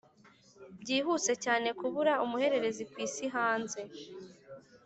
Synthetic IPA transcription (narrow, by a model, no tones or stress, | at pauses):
bɟiːɦuːse̞caːne̞kuβuɾaumuhe̞ɾe̞ɾe̞zikwiːsiɦaːnze̞